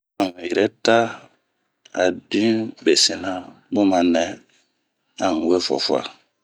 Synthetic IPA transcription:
a˨ŋũ˨jɛ˨ɾɛ˦ta˦ | a̰˨dĩ˦be˨si˨nã˦ | bo˦mã˨nɛ̃˨ | a˨ŋu˨we˦fɔ̰˨fu˦a̰˨

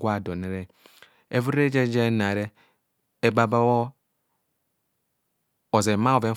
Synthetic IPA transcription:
ɡʷa˦˨do˨ne˨˦ɾe˦ | e˦vu˦ɾe˦d͡ʒe˦d͡ʒe˦na˨ɾe˦ | e˦ɡ͡ba˦ba˦wo˦ | o˨ze˨ma˦o˨ve˦

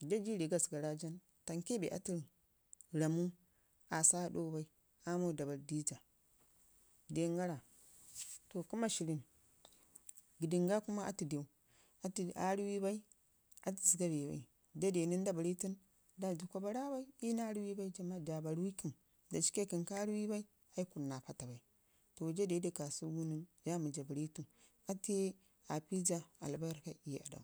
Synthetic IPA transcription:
d͡ʒa˦d͡ʒi˦ɾi˨ɡa˦˨sɡa˨ɾa˦d͡ʒa˦n | ta˨ŋke˦bḛ˨ʔa̰˨ti˦ɾi˨ | ɾa˨mu˦ | a˨sa˦do˦ba˦i˦ | a˦mo˦˨da˨ba˨ldi˦d͡ʒa˨ | de˨˦ŋɡa˦ɾa˨ | to˨ku˦ma˦ʃi˨ɾi˦˨n | ɡi˨di˨ŋɡa˦ku˦ma˦ʔa̰˦ti˨de˨u˦ | a˨a˨˦ɾi˦wi˦ba˦i˦ | a˦ti˨zi˨da˦be˨ba̰˨i˨ | d͡ʒa˦de˨ni˦n˦da˦ba˨ɾi˦ti˦n | da˨d͡ʒi˨kʷa˦ba˦ɾa˦ba˦i˦i˦na˦ɾi˦wi˦ba˦i˦d͡ʒa˨ma˦d͡ʒa˨ba˨ɾwi˦ki˦˨m | da˨t͡ʃi̥˦ke˦ki˨nka˦ɾi˦wi˦ba˦i˦ | a˦i˦ku˨ɾna˨pa˦ta˨ba˨i˨ | to˨d͡ʒa˦de˨˦de˨ka˨su˦ɡu˦ni˦nja˦mu˨d͡ʒa˨ba˨ɾi˦tu˦n | a˦te˦ | a˨pi˦d͡ʒa˦a˨lba˦ɾka˦i˦˨a̰˨da̰˨u˨

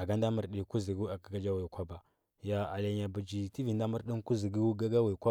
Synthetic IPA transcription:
a˨ɡa˦n˦da˦mə˦ɾɗi˨ku˦zi˨ɡi˦a˨ɡa˨ɡa˦d͡ʒa˦wi˨kʷa˦ba˨ | ja˨a˨la˨ɲa˨bu˨d͡ʒi˨ti˦vi˨nda˦mə˦ɾɗi˦n˦ku˦zi˨ɡi˦ɡa˦ɡa˦wi˨kʷa˦

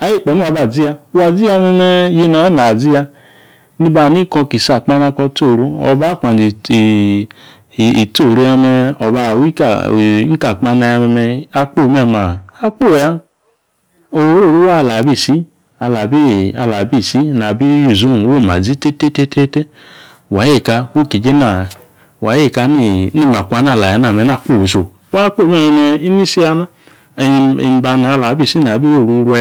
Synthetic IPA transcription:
a˨ji˦˨k͡pɔ˨n˦a˨˧ba˨d͡zi˦a˧˦wa˨d͡zi˦a˧mɛ˧mɛ˧je˧na˨˦na˨d͡zi˦ja˧ | ni˧˦ba˧˨ni˦kɔ˧ki˨sa˨k͡pa˦na˧kɔ˧˦to˦˨ɾu˦ɔ̰˧ba˦˨k͡pa˨di˨ | i˨to˦˨ɾo˧˦a˧mɛ˧ɔ˨ba˧˨wi˦ka˨˦ka˨k͡pa˧na˧ja˧mɛ˧mɛ˧a˧k͡po˦˨mɛ˧˨ma˨a˧k͡po˦˨ja˧ | o˨˧˦ɾo˦˨ɾu˦wa˦˧la˨bi˦˨si˦ | a˧la˨bi˦a˧la˨bi˦˨si˦na˨bi˦ju˨zu˦˨wo˦˨ma˨d͡zi˦te˦te˦te˦te˦te˦ | wa˨˦je˦˨ka˧ko˦˨ki˨d͡ʒe˦na˨ | wa˨˦e˦˨ka˧˦ni˦˨˦ni˦˨ma˨kʷa˧˦na˦˨la˨ja˨˦n˦a˦˨mɛ˧˦n˦a˦˨k͡po˦˨so˨˦wa˦k͡po˦˨m˦ɛ˦˧˨ɛ˧mɛ˧i˦ni˦si˦a˧na˦˨˧ | i˨˧m˨˦ba˧na˨˧la˨bi˦˨si˦na˨bi˦o˦˨ɾu˧ɾ

